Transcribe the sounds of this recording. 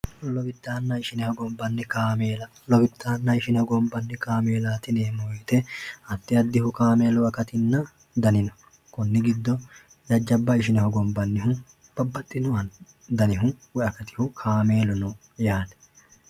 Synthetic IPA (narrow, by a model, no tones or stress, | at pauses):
lɔbɪd̪ːaːnːɐɪʃɪnɛhɔɡɔmbːɐnːɛkaːmeːlɐ | lɔbɪd̪ːaːnːɐɪʃɪnɛhɔɡɔmbːɐnːɛkaːme̞ːlaːt̪ɪneːmɔjt̪ɛɐt̪ːɪɐd̪ːɪhʊkaːmeːlɔɐkɐt̪ɪnːɐ | d̪ɐnɪnɔ | kɔnːɪɡɪd̪ːɔ | d͡ʒɐd͡ʒːɐbːɐɪʃ̬ɪnɛhɔɡɔmbːɐnːɪɦʊ | b̥ɐbːɐt̪ʼːɪnɔwɐn | d̪ɐnɪɦʊwɛɐkɐt̪ɪ̥hʊkʰaːme̞ːlʊnɔ | jaːd̪ɛ̥